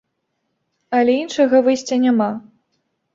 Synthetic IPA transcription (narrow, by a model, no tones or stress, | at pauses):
ɐlʲɛinʂɐɣɐvɨsʲt͡sʲɐnʲama